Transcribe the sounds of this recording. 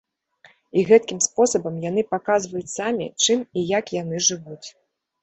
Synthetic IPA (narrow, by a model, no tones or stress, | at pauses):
iɣɛt̪̚kʲimspɔsɐbɐmjanɨpakazvɐjut͡sʲsamʲḭt͡ʂɨmijakjanɨʐɨvut͡sʲ